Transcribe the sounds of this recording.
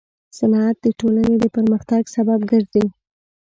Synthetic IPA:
sanɑat̪̚d̪əʈolanned̪əpəɾməxt̪aɡsababɡəɾze

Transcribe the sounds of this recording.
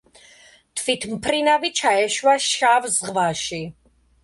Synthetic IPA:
t̪ʰvit̪ʰmpʰɾinavit͡ʃʰaɛʃwaʃavzʁvaʃi

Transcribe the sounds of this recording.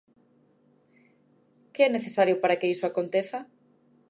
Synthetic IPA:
keɛneθesaɾjʊpaɾakeisoakont̪eθɐ

